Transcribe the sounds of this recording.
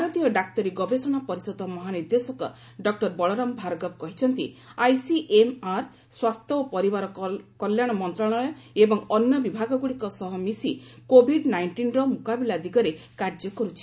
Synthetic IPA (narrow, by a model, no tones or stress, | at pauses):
bʱaɾɔt̪ijɔɖak̚t̪ɔɾiɡɔbesɔɽ̃apɔɾisɔd̪ɔmɔɦaniɾd̪esɔkɔ̰ | ɖɔk̚ʈɔɾbɔɭɔɾɔmbʱaɾɔɡɔb̚kɔɦit͡ʃʰɔnt̪iajsiʔemaɾ | swast̪ʰɔopɔɾibaɾɔkɔljaɽ̃ɔmɔnt̪ɾɔɭ̃ɔjɔebɔŋɔnjɔbibʱaɡɔɡuɽikɔsɔɦɔmisikobʱiɖnajɳʈinɾɔmukabilad̪iɡɔɾe | kaɾd͡ʒɔkɔɾut͡ʃʰi̥